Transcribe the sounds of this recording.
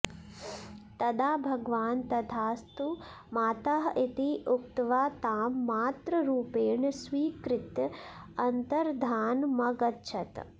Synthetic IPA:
t̪ɐd̪aːbʱɐɡʋaːnt̪ɐt̪ʰaːst̪u | maːt̪aɦʔit̪iʔuk̚t̪ʋaːt̪aːmːaːt̪ɾɐɾuːpeːɳsʋiːkɾɪt̪ | ɐnt̪ɐɾd̪ʱaːnmɐɡɐtːʃʰɐt̪

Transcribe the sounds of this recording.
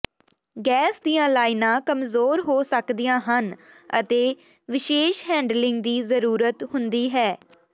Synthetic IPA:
ɡɛːsd̪iːãːlaːɪnãːkəmzoːɾɦoːsəkd̪ijãːɦən | ə̰t̪eː | ʋɪʃeːʃɦɛ̃ːɳɖlɪŋɡd̪iːzəɾuːɾət̪hʊnd̪iːɦɛː

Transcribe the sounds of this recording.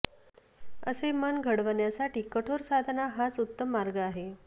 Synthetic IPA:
əsemənɡʱəɽʋəɳjasaʈiːkəʈʰoɾsad̪ʱnaɦat͡sut̪ːəmːaɾɡəaɦe

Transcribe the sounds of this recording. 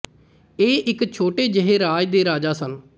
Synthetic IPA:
eːʔɪkt͡ʃʰoːʈeːd͡ʒəɦeːɾaːd͡ʒd̪eːɾaːd͡ʒaːsən

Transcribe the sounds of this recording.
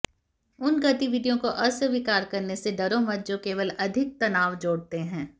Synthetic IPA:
ʊnɡɐt̪iʋɪɖijõkoʔɐsəʋikaːɾkɐɾneseɖɐɾoːmət̪̚d͡ʒokeːʋəlɐd̪ʱɪk̚t̪ɐnaːʋd͡ʒoːɽt̪eɦɛ̃ː

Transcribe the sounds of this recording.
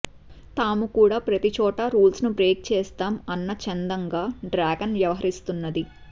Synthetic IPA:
t̪aːmukuːɽaːpɾɐt̪it͡ʃɔːʈɐɾuːlsnubɾeːk̚t͡ʃɛːst̪aːmɐnːɐt͡ʃɛnd̪ɐŋɡaːɖɾaːɡɐnʋjɐʋɐɦɐɾist̪unːɐd̪i

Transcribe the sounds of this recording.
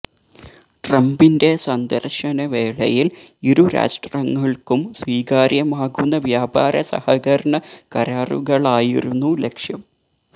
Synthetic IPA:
ʈrɐmbinde̞sɐnd̪ɐrʂɐnɐʋe̞ːɭɐjiliɾuɾa̰ːsʈrɐŋːɐɭkumsʋiːkaːɾjɐmaːɣunːɐʋjaːbaːɾɐsɐ̰hɐɣɐɾɐɳɐkɐɾaːrṵɣɐɭaːjḭɾunːule̞kʂjɐm

